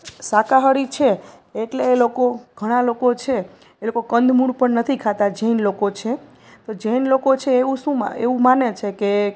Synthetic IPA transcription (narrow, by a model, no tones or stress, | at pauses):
sakaɦəɾit͡ʃʰeː | ʈleːlokoɡʱəɽ̃alokot͡ʃʰe | elokokənd̪ʱmuɽpəɳnət̪ʰikʰat̪ad͡ʒəinlokot͡ʃʰe | t̪od͡ʒəinlokot͡ʃʰeːũʃũm̰ḛũmanet͡ʃʰeke